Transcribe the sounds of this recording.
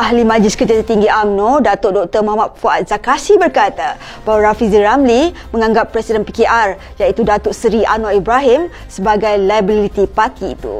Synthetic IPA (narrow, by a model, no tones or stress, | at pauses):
ʔaɦlimãd͡ʒlɪskərd͡ʒat̪ərt̪iŋɡiamnodat̪oʔdɔk̚t̪ərmãhmat̪̚foat̪̚z̥akasibərkat̪a | baɦwaɾafiziɾamli | mə̃ŋãŋɡapːɾɛsidənpikeʔar | jait̪udat̪oʔsəɾiʔa̰noibɾaɦim | səbaɡajlajbilit̪ipart̪ḭːt̪ṵ